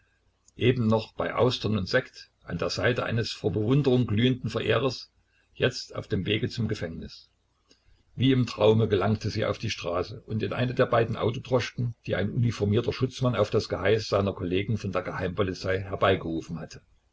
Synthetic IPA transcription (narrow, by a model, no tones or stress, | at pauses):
ʔeːbm̩nɔχb̥aɪʔa̰ʊstɐnʊntz̥ɛkt | ʔa̰ndeːɐzaɪtəʔaɪnəsfoːɐbəvʊndəʁʊŋɡlyːəndn̩fɐʔeːʁ̞ɐs | jɛt͡sta̰ʊfd̥eːmveːɡət͡sʊmɡəfɛŋnɪs | viːɪmtʁ̥aʊməɡəlaŋktʰəziːa̰ʊfd̥iːʃtʁ̥aːsəʔʊntɪnʔa̰ɪnədeːɐbaɪdn̩ʔa̰ʊtotʁ̥ɔʃkŋ̩d̥iːʔa̰ɪnʔunifɔɐmiːɐtɐʃʊt͡smanaʊfd̥asɡ̥əhaɪsz̥aɪnɐkʰɔleːɡŋ̩fɔndeːɐɡəhaɪmpɔlit͡saɪɦɛɐbaɪɡəʁuːfn̩hatʰə̥